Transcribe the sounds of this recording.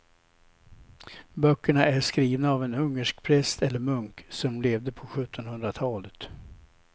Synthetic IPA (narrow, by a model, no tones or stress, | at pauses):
bœkːəɳaʔæʂkɾiːvnaːvɛnɵŋːəʂkpʰɾɛst̪ɛlːəɾmɵŋksɔmleːvd̪əpʰɔɧɵt̪ʰːɔnhɵnd̪ɾat̪ʰɑːlət̪